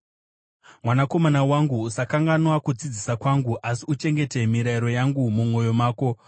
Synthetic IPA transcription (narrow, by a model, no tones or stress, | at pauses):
mwanako̞manawaŋɡuːsakaŋɡanwakud͡zid͡zisakwaŋɡuʔasiut͡ʃe̞ŋɡe̞te̞miɾaiɾo̞jaŋɡumumo̞jo̞maːko̞